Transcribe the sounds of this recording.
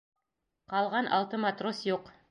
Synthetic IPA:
qɑlˠʁɑnʔɑ̰lˠt̪ɤmat̪rosjuq

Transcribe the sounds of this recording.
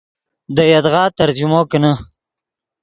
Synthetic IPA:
d̪əjad̪ɣɑːt̪aɾd͡ʒumokəna

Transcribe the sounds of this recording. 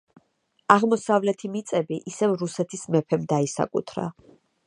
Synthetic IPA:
aʁmɔsavlɛt̪ʰimit̪sʼɛbiʔisɛvɾusɛt̪ʰismɛpʰɛmd̪aisa̰kʼṵt̪ʰɾa̰

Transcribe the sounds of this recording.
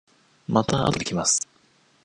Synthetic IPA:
mat̪aa̰t̪okʲimasɨ̥

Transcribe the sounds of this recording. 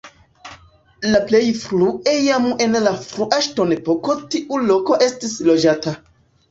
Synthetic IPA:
laplejfɾuejame̞nlafɾuʔaʃtonepo̞ko̞tiʔuloko̞ʔe̞stislod͡ʒata

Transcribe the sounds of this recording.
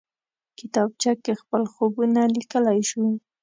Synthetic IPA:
kɪt̪ɑb̚t͡ʃakːexpəlxobunalikəlajʃu

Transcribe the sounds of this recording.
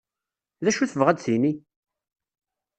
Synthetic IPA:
ðæʃuθəvʁæd̪sini

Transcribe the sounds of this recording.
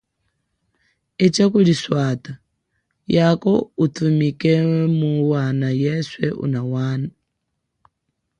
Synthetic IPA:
et͡ʃakuliswaːtʼa | jakoutʰumikɛmuwaːnajɛswɛ̰ʔṵnawaːna

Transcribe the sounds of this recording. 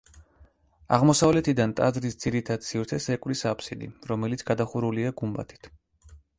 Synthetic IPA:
a̰ʁmɔsavlɛt̪ʰid̪ant̪ʼazɾisd̪z̥iɾit̪ʰad̪̥sivɾt̪sʰɛsɛkʼvlisapʰsid̪ḭɾɔmɛlit̪sʰɡad̪aχuɾuliaɡumba̰t̪ʰi̥t̪ʰ

